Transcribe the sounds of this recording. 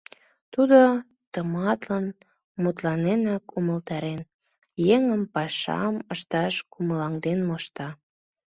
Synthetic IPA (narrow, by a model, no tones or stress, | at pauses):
t̪ud̪o | t̪əmɑt̪lɑn | mut̪lɑnenɑkuməlt̪ɑɾen | jeŋəmpɑʃɑ̰məʃt̪ɑʃkuməlɑŋd̪enmoʃt̪ɑ